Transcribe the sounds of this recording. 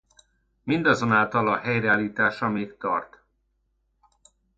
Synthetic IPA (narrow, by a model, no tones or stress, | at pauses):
mind̪ɒzo̞naːlt̪ɒlɒɦɛjrɛaːliːt̪aːʃɒmeːk̚t̪ɒ̰rt̪